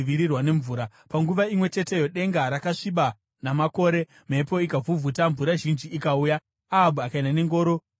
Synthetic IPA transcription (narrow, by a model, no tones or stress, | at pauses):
ʋiɾirwane̞ɱvuːɾa | paŋɡuʋaimwe̞t͡ʃe̞te̞jo̞ɗe̞ŋɡaɾakaʂiɓa | namako̞ːɾe̞ | m̤e̞po̞ikavuvʱutaɱvuɾaʒind͡ʒiːkauːja | abuakainane̞ŋɡo̞ːɾo̞